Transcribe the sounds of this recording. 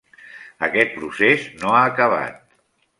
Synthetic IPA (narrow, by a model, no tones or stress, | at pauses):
əkɛt̪̚pɾuseznoaːkəβ̞a̰t̪̚